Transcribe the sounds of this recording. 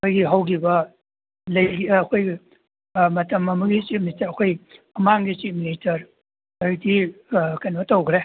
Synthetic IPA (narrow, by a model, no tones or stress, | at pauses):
kojɡiɦɐwɡibɐ | lɐjɡiːkʰojɡi | mɐtɐmɐmɐɡit͡ʃit̚ministɐɾɐkʰoj | ɐmaŋɡit͡ʃit̚ministɐɾ | ojdikɐjnbɐtowɡɾe